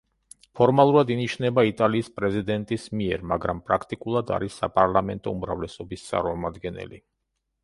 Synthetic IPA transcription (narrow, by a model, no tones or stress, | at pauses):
pʰɔɾmalˠuɾad̪iniʃnɛbait̪ʼaliːspʼɾɛzid̪ɛnt̪ʼismiɛɾmaɡɾampʼɾakʰt̪ʼikʼulˠad̪a̰ɾisːapʼaɾlˠamɛnt̪ʼɔumɾa̰vlɛsɔbist̪sʼa̰ɾmɔmad̪ɡɛnɛ̰lḭ